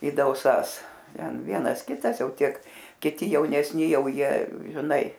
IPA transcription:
ɪ dɐʊˈsɐs ˈtʲɛn ˈʋʲiɛnɐs ˈkʲɪtɐs ˈjɛʊ ˈtʲiɛk kʲɪˈtʲɪ jɛʊnʲɛsʲˈnʲɪ ˈjɛʊ ˈjiɛ ʒʲɪˈnɐɪ

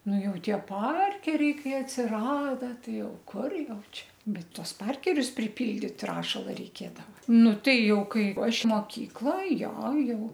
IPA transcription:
ˈnʊ ˈjɛʊ ˈtʲiɛ ˈpɐrʲkʲɛrʲɛɪ ˈkɐɪ ɐtʲsʲɪˈrɑːdɐ ˈtɐɪ ˈjɛʊ ˈkʊr ˈjɛʊ ˈt͡ʃʲɛ ˈbʲɛt ˈtuɔs ˈpɐrʲkʲɛrʲʊs pʲrʲɪˈpʲɪlʲdʲiːt ˈrɑːʃɐlˠɐ rʲɛɪˈkʲeːdɐʋɐ ˈnʊ ˈtɐɪ ˈjɛʊ ˈkɐɪ ˈɐʃ moːˈkʲiːklˠɐ ˈjoː ˈjɛʊ

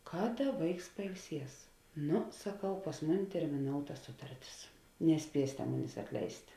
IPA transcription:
ˈkɑːˌdɐ ˈʋɐɪks pɐɪlʲˈsʲiɛs ˈnʊ sɐˈkɐʊ pɐs ˈmʊˌnʲɪ tʲɛrʲmʲɪˈnoːʊtɐ ˈsʊtɐrʲˌtʲɪs nʲɛˈsʲpʲiɛsʲeːtʲɛ ˈmʊnʲeːs ɐtʲˈlʲɛɪsʲtʲ

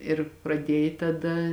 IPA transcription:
ɪr prɐˈdʲiɛj tɐˈdɐ

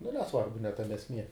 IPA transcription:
nʊ nʲɛˈsʋɐrbʊ nʲɛ ˈtɑːmʲɛ ɛsʲˈmʲiɛ

